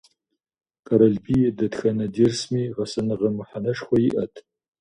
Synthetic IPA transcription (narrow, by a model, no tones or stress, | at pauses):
kʼɐɾɐɮbiːjɛdɐtxɐnɐdirsmiːʁɐsɐnɨʁɐmʊħanɐʂxʷɔjiʔɐtʰ